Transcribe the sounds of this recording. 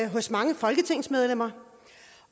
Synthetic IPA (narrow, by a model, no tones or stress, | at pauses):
ɦɔ̽smɑ̈ŋəfɒ̽lɡ̥ət͡sʰe̝ŋ̰smeð̞ˠlem̰ɐ